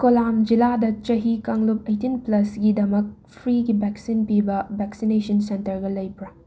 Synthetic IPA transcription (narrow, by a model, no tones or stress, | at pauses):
kolamd͡ʒiladɐt͡ʃɐɦikɐŋlup̚ejtinplɐsɡidɐmɐk̚ | pʰɾiɡibɛksinpibɐbɛksinesɐnsentɐɾɡɐlɐjpɾɐ